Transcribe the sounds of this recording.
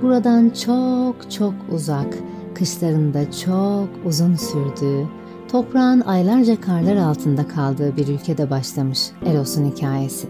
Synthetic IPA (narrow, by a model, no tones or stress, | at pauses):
b̥uɾad̪ant͡ʃʰokt͡ʃʰo̞kʰuzak | kʰːɯʃlˠaɾɯnd̪at͡ʃʰokuzunsyɾd̪yː | t̪ʰo̞pɾaːnajlˠaɾd͡ʒakʰaɾlˠaɾalˠt̪ʰɯnd̪akʰalˠd̪ɯːbiɾylʲcʰɛd̪ɛbaʃlˠamɯʃeɾo̞sunhicʰaːje̞sɪ